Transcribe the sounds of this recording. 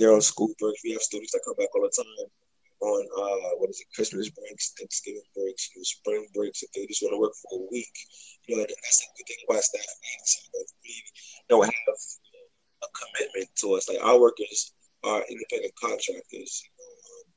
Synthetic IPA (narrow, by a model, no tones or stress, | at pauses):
ðə˞əskulˠbɹɛ̃kswiɨv̥studⁿn̩zðɨt̚kʰʌ̃mbækɔlˠðətʰãɪ̃m | ə̃nʌwʌ̃nɨzɨkʰɹ̥ɪsmɨsbɹɛ̃ŋksɛ̃ksɡ̥ɪvɪ̃ŋbɹeɪksjɨnoʊspɹɪ̃ŋbɹeɪksɨ̃ðeɪd͡ʒʌstwɑ̃nəwɜ˞kfə˞əwikjɨnoʊaɪkɨðætsɨɡɪθɪ̃ŋwaɪstæflæsnaɪklinohɨv | əkʰəmɪt̚mɨ̃ntʰəʌslaɪka̰ʊə˞wɜ˞kə˞z | ʔə˞ʔɪ̰̃ndɨpʰɛ̃ndɨ̃nkʰɑ̃ntʰɹ̥æk̚tʰə̰˞z̥jɨnoʊʌ̃m